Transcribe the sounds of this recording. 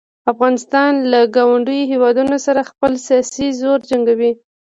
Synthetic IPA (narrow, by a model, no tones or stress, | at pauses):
afɣɑnɪst̪ɑnlaɡɑwaɳɖəjohewɑd̪unosaɾaxpəlsijɑsizoɾd͡ʒaŋɡawi